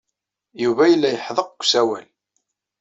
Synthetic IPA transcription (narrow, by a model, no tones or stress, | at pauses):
juvæjəlːæjəħðˤəqkʷsæwæ̰l